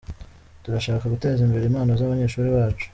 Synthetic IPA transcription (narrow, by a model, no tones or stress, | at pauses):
tuɾaʃaːkaɡute̞ːzimbe̞ɾe̞iːmhaːnozaβaɲe̞ːʃuːɾiβaːt͡ʃu̥